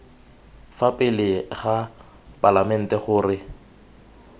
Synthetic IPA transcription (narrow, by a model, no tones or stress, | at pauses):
fapʼɪlɪɣa | pʼalamɛn̩tʼɛχʊːrɪ